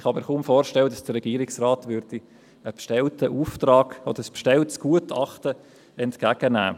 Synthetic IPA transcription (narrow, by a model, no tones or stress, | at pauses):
ɪχhɑmiːɾχuːmfoːɾʃtɛlːədɑsd̥ərːɛɡiːɾɪksrɑːtʋʏɾd̥i | əpʃtɛltəʔuːftrɑːɡ̥od̪əɾəspʃtɛltsɡ̥uətʰɑχtə | ɛntkæːɡ̥ənæ̰ː